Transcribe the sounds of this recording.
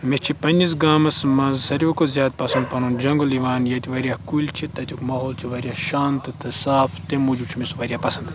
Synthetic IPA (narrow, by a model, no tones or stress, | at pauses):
mist͡ʃʰipɐnʲis̬ɡaːmɐsmɐzsɐɾokozʲjaːd̪̚pɐsɐnd̪̚pɐnund͡ʒɐŋɡoliʋaːnjɐt̪iʋɐɾʲijaːkulʲt͡ʃʰit̪ɐt̪ʰʲukmaːɦoːlt͡ʃʰiʋɐɾʲjaːʃaːnt̪ɨt̪ʰɨsaːpʰt̪emud͡ʒut͡ʃʰimisʋɐɾʲijaːpɐsɐnd̪